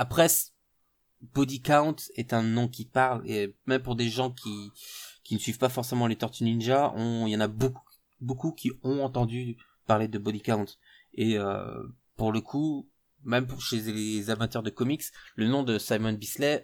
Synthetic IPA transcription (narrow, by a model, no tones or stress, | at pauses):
apχɛs | b̥od̪ikaw̃t̪ɛt̪ɛ̃nɔ̃kʲipaʁlḛmɛmpuʁd̪eʒɑ̃kʲʰikʲinəsɥivpafɔʁsemɑ̃let̪ɔʁt̪yninʒaɔ̃ljɑ̃naboku | bokukʲiɔ̃ɑ̃t̪ɑ̃d̪y | paʁled̪əbod̪ikaw̃t̪ | eø̰ | puʁləkʰu | mɛmpuʁʃelezamat̪œʁd̪əkɔmikslənɔ̃d̪əsajmɔnbislɛ